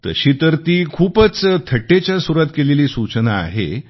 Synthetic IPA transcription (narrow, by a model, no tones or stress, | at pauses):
t̪ə̰ɕiːt̪əɾt̪iːkʰuːpət͡st̪ʰəʈːet͡ɕjasuɾat̪keleliːsut͡ɕəna̰ːɦḛ